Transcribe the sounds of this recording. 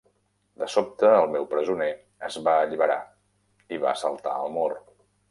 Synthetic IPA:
d̪əsop̚t̪əːlˠmɛwpɾəzune | əzβaəʎiβəɾa̰ | iβa̰əsəlˠt̪a̰ə̰lˠmor

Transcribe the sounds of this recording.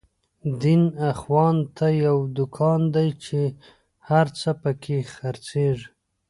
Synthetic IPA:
d̪inaxwɑnt̪ʰajawd̪ʊkʰɑnd̪ajt͡ʃe | haɾt͡səpəkʰexaɾt͡seʐ

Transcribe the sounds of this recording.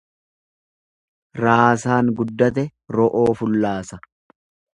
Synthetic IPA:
ɾaːsaːŋɡʊd̪ːɐt̪ɛɾɔʔoːfʊlːaːsɐ

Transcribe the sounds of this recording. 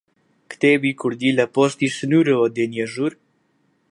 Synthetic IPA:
kt̪ebikuɾd̪ilɛpɔst̪isnuɾəɔd̪enjɛʒuɾ

